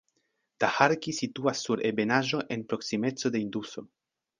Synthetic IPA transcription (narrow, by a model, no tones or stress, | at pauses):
d̪̥ahaɾkisit̪uasːuɾʔebe̞naʒo̞ʔe̞npɾo̞ksime̞t͡so̞d̪eind̪uso̞